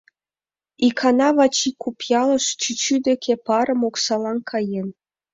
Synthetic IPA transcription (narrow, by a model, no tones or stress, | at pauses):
ikʰɑnɑβɑt͡ɕikupjɑlə̆ʃt͡ɕyt͡ɕyd̪ekʲʰepɑɾə̆moksɑlɑnkʰɑjen